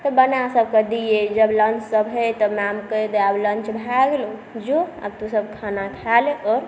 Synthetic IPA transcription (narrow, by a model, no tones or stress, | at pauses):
t̪ɔbənasəbʱked̪ijed͡ʒəblənt͡ʃsəbɦəjt̪ɔmamkəjd̪eablə̃nt͡ʃbʱaɡlod͡ʒoa̰bt̪usəbkʰanat̪ʰaleʔɔɾ